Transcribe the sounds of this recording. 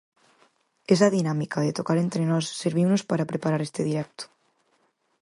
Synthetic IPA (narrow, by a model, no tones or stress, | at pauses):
esaðinamikaðet̪okaɾe̞nt̪ɾenosːeɾβ̞iwnospaɾapɾepaɾaɾest̪eðiɾek̚t̪o̥